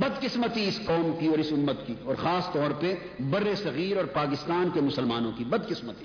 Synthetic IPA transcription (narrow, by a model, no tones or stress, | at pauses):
bɐd̪qɪsmət̪iɪskɔːmkiɔːɾɪsʊmːət̪kiɔːɾxaːst̪ɔːɾpe | bɐɾːesɐɣiːɾɔːɾpaːkɪst̪aːnkemʊsəlmaːnõkibɐd̪kɪsmət̪i